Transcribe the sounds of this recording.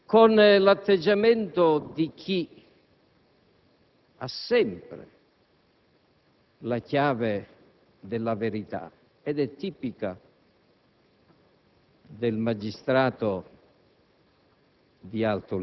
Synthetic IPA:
konlat̪ːed͡ʒːamɛnt̪od̪ik̟ʰi | asɛmpɾɪ̰ | lakjaːve | d̪ɪlːavɪɾit̪a̰ | ɛd̪ɛt̪ːiːpika | d̪ɪlmad͡ʒist̪ɾaːt̪o | d̪ialt̪ɾʊ

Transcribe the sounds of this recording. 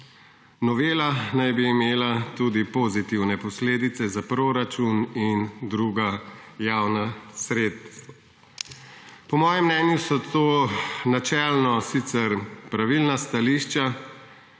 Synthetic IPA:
nɔʋeːlanajbiːmeːlat̪ud̪ipozit̪iwnɛpɔsleːd̪it̪sɛzapɾoɾat͡ʃunind̪ɾuːɡajawnasɾeːt̪ | pɔmɔːjɛmːnɛːnjusɔt̪oːnat͡ʃɛlnɔsit̪sɛɾpɾaʋilnast̪aliʃt͡ʃa

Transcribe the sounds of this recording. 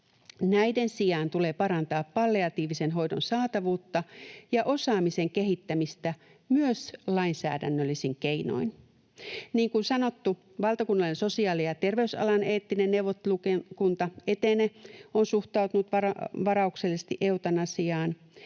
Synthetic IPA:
næidensijɑːnt̪uleːpɑɾɑnt̪ɑːppɑlːeɑt̪iːʋisenɦo̞idonsɑːt̪ɑʋuːt̪ːɑjɑʔosɑːmiseŋkeɦit̪ːæmist̪æ | myøslɑinsæ̰ːdæ̰nːølːisiŋkeino̰in | niːŋkunsɑnot̪ːu | ʋɑlt̪ɑkunːɑlenso̞siɑːlijɑt̪e̞rʋeysɑ̰lɑneːt̪ːinenneuwʋot̪ːelukekunt̪ɑet̪eneonsuht̪ɑut̪unut̪ʋɑɑʋɑɾɑukselːsist̪iʔewt̪ɑnɑsiɑːn

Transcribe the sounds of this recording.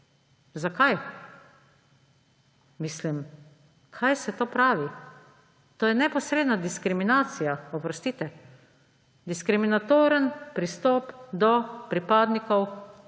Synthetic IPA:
zakaj | mislim | kʰajsɛt̪oːpɾaːʋi | t̪oːjɛnɛpɔsɾeːd̪nad̪iskɾiminaːt̪sijaɔpɾɔst̪iːt̪ɛ | d̪iskɾiminat̪oːɾənpɾist̪ɔːpd̪ɔpɾipaːd̪nikɔw

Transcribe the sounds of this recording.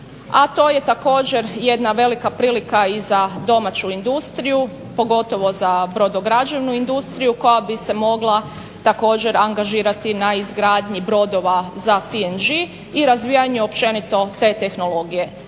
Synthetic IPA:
at̪o̞ːje̞t̪ako̞ːd͡ʑe̞ɾje̞d̪naʋe̞likapɾiːlikaizad̪o̞mat͡ɕuind̪ust̪ɾiju | po̞ɡo̞t̪o̞ʋo̞zabɾo̞d̪oɡɾad͡ʑeʋnuind̪ust̪ɾijuko̞jabise̞mo̞ɡlˠa | t̪ako̞ːd͡ʑe̞ɾaŋɡaʒiːɾat̪inaizɡɾaːd̪ɲibɾo̞d̪o̞ʋazasiend͡ʒiː | ɾazʋiːjaɲuopt͡ʃe̞nit̪o̞t̪e̞ːt̪e̞xno̞lˠo̞ɡije̞

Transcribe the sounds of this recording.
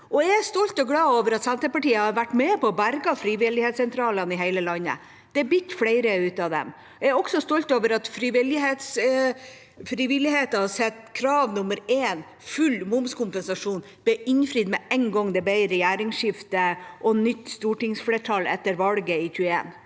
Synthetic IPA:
ʔɔææst̪ɔlt̪ɔɡlɑːoːʋəɾɑt̪sɛnt̪əpɑʈiːəhɑɾʋæʈːmɛpɔɔbæɾɡɑfɾiːʋɪlɪheːt̪sɛnt̪ʰɾɑːlənɪɦæɪləlɑnːə̰ | d̪̥ɛæbʏt̪ːfɽæɪɾəʉːt̪ɑʋd̪ɛ̰m | æɾɔksɔst̪ɔlt̪oːʋəɾɑt̪fɾiʋɪlɪɦeːt̪s | fɾiːʋɪlɪheːt̪ɑhɑsɛt̪ːkʰɾɑːʋnʊməɾeːn | fʉlmʊmskʰʊmpənsɑʂuːn | b̥ɛɪnfɾiːd̪mɛɛŋɡɔŋd̪ɛbɛɪɾəjæːɾɪŋʂɪft̪əʔɔnʏt̪ːst̪uːʈɪŋsfleːʈʰɑlɛt̪ːəɾʋɑlɡəɪçʉːəḛːn

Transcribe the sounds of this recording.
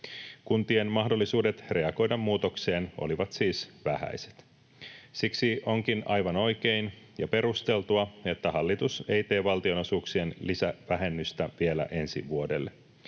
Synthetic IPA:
kunt̪ie̞nmɑɦdo̞lːisuːde̞t̪re̞ɑɡo̞jdɑmːuːt̪o̞kse̞ːnʔo̞̰liʋɑt̪siːsʋæhæ̰jse̞̥t̪ | siksiʔo̞ŋkinɑjʋɑno̞jke̞in | jɑpe̞ɾust̪e̞lt̪uɑe̞t̪ːæhɑlːit̪use̞jt̪e̞ːʋɑlt̪io̞nosuːksie̞nlisæʋæɦe̞nːyst̪æʋie̞læ̰ʔe̞nsḭʋuode̞̰lː

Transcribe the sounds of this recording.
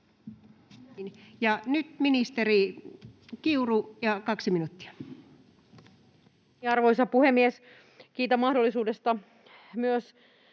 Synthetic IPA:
njɑnyt̪minist̪eri | kiurujɑkɑksiminut̪ːi̥æ̥ | ɑrʋoisɑpuhemːies | kiːt̪æmɑhdolːˑisuːdest̪ɑ | myøs

